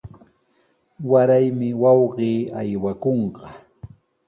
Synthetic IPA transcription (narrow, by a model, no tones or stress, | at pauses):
waɾajmɪwɑwɢiːajwakoɴɢɑ